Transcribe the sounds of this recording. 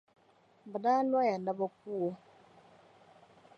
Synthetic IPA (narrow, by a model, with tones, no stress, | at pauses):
bə˨da˦lwa˦ja˨n˨da˦bɔ˦k̚u˦o˦